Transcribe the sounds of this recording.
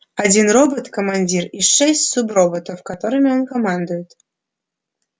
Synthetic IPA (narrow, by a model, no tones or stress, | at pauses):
ɑdʲinrobot̪komɑnʲdʲiriʂɛsʲtʲsubrobot̪ofkɑt̪oɾɨmʲeonkomɑnd̪ujʊt̪